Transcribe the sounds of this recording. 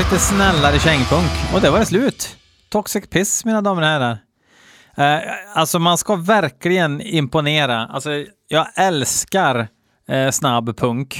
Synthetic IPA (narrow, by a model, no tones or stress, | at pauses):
iːt̪əsnɛlːaɾəɪɕɛŋːpʰɵŋkɔ̰d̪ɛvaɾɛslʉ̟ːt̪ʰː | ɔksɪkpʰɪsmiːnad̪ɑːməɾhæːɖaɾ | alsɔmanskavæɾklɪɡənɪmpʊneːɾaa̰lsɔ | jɑːɡɛlskaɾ | snabːpʰɵŋk